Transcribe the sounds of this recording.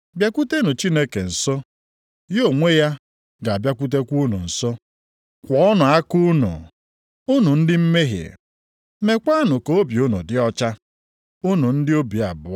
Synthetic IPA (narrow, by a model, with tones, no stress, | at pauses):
bja˦kʷu˦te˦nʊ˨t͡ʃi˦ne˦ke˨n̩˨sɔ˦ | jo˨ŋʷe˦ja˦ | ɡa˨a˨bja˦kʷu˦t̬e˦kʷu˦nṵ˨n̩˨sɔ˦ | kʷɔ˦nʊ˨a˦ku˦nṵ˨ | ʊ˦nu˨n̩˦dɪ˦m̩˦me˦ɦḛ˨ | me˨kʷa˦nʊ˨koo˦bi˨ʊ˦nṵ˨dɪ˦ɔ˦t͡ʃa˦ | ʊ˦nu˨n̩˦dɪ˦o˦bi˨a˨bʊ˨˦